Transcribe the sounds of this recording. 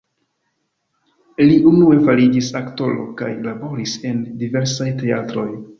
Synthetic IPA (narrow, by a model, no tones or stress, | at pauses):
liʔunue̞faɾid͡ʒisakto̞lo̞̰ka̰jlabo̞ɾise̞ndive̞ɾsajte̞atɾo̞j